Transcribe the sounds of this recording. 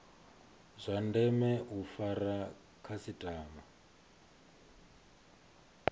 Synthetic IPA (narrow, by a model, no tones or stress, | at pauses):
zʷandɛmɛufaɾa | kʰasitʼaːma